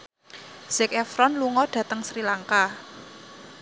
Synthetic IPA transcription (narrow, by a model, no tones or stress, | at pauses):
z̥ɪkɛfɾɔnluŋɔɖ̥ä̤t̪əŋsɾilaŋka